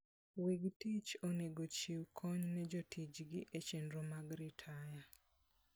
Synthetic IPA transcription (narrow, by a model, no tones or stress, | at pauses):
wiɡtit͡ʃoneɡot͡ʃiwkʰɔɲnɛd͡ʒotʰit͡ʃɡɪʔet͡ʃendɾomaɡɾɪtʰaja